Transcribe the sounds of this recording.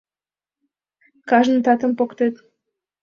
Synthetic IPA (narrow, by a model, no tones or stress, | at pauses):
kɑʒnt̪ɑt̪ə̆mpokt̪et̪